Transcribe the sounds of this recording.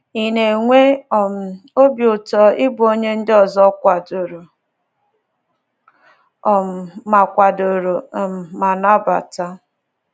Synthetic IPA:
i˨ne˨ŋʷe˦ɔ˨m̩˨o˦bjo˨tɔ˦ʔɪ˦bo˦ɲe˦n̩˦dɪ˦ɔ˨zɔ˦kʷa˨do˨ɾo˨ | ɔ˨m̩˨ma˨kʷa˨do˨ɾo˨m̩˨ma˨na˦ba̰˨ta˦

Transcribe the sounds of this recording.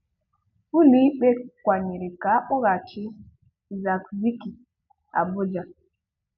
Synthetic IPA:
u˦li˦ɓe˦kʷa˨ɲi˨ɾɪ˨ka˨˦ʔʊ˦ɣa˨t͡ʃɪ˦˨ | za˨kzi˦ki˨ | a̰˨bʊ˦d͡ʒa˨

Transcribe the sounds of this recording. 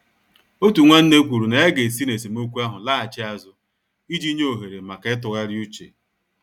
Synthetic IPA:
o˦tu˨ŋʷa˦n̩˦ne˦kʷu˨ɾu˨na˨e˦ɡe˨si˦ne˨si˨m˦o˦kʷu˦a˦ɦʊ˨laː˦˨t͡ʃɪ˦a˦zʊ˦ | i˦d͡ʒi˦ɲe˦o˨ɦe˨ɾe˨ma˨ka˨ɪ˦t̬ʊ˨ɣa˦ɾju˦t͡ʃḛ˨

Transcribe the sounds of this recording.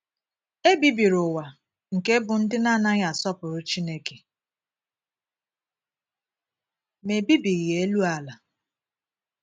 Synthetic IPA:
e˦bi˦bi˨ɾʊ˨wa˨ | ŋ̩˨ke˦bʊ˨n̩˦dɪ˦na˦˨na˦ɣa˨sɔ˦pʊ˨ɾʊ˦t͡ʃi˦ne˦ke˨ | me˨bi˦bi˨ɣi˨e˦lu˦a˨la˨

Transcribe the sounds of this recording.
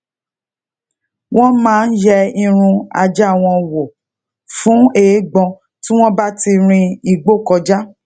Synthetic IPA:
w̃ɔ̃˦mãː˦n̩˦jɛ˧i˧ɾ̃ũ˧a̰˧d͡ʒa˦˨w̃ɔ̃˧wo˨ | fũ˨˦e˨˦ɡ͡bɔ̃˧ | tĩ˦w̃ɔ̃˦ba˦ti˧ɾ̃ĩ˧i˧ɡ͡bo˦˨kɔ˧d͡ʒa˦

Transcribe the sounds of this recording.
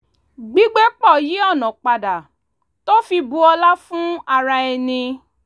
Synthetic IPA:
ɡ͡bi˨˦ɡ͡be˦k͡pɔ˦˨ji˨˦ɔ˦˨nɔ̃˨k͡pa˨da˨ | to˦fi˧bu˧ɔ˧la˦fũ˦a˧ɾa˧ɛ˧nĩ˧

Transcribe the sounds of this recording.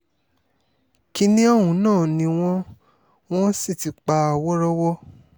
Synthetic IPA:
ki˧˦nĩ˦ɔ˦˨hũ˨˦nãː˦˨nĩ˧˦w̃ɔ̃˦ | w̃ɔ̃˦si˦˨ti˨˧k͡pa˧˦a˨wɔ˦ɾɔ˦wɔ˦

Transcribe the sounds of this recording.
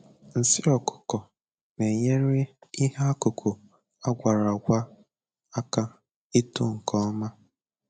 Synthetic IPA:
n̩˨sɪ˦ɔ˨kʊ̥˨kɔ˨ | ne˨ɲe˦ɾɪ˦i˦ha˦kʊ˨kʰu˨ | a˦ɡʷa˨ɾa˨ɡʷa˦ | a˦ka˦ | i˦tʊ˦ŋ̩˨kɔ˦ma˦

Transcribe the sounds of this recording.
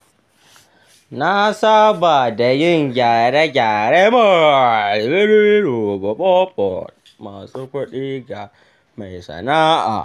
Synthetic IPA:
na˦sa˦ba˨da˨ji˦ŋ˨ɡʲa˨ɾe˦ɡʲaː˨ɾe˦ma˨ | be˦ɾi˦ɾu˨bo˨ɓɔ˦pɔ̰˨t̚ | ma˨su˦ko˦ɗi˦ɡa˨ | ma˨i˨sa̰˨na˦a̰˨

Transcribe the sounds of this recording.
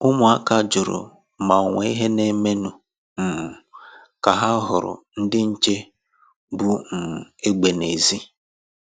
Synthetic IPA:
ʊ˦mʊ˨a˦ka˨d͡ʒʊ˨ɾʊ̰˨ | ma˨ŋʷa˨˦i˦ɦe˦ne˦me˦nu˨ | m̩˨m̩˨ | ka˨ɦa˦ɦʊ˨ɾʊ̰˨n̩˦dɪ˦n̩˦t͡ʃe˦ | bu˦m̩˨m˨e˦ɡ͡be˨ne˨zi˦

